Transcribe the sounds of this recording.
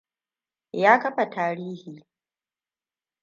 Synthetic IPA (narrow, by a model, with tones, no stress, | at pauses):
jaː˦kɐ˦ɸa˨taː˦ɾiː˦hiː˨